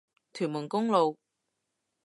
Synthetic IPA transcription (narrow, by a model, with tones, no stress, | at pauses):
t̪ʰyː˨˩nmuː˨˩nkʊ˥ŋlo˨w